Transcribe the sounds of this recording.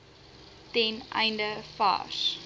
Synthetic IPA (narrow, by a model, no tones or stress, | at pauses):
tɛnʔɛ̰jndəfɑ̰ːs